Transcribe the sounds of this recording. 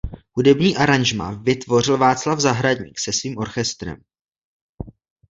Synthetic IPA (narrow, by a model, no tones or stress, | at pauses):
hudɛbɲiːʔaɾaɲʒma̰vɪt̪vo̞rɪlvaːt͡slavzaɦɾadɲḭːksɛsviːmʔo̞ɾxɛst̪ɾɛ̰m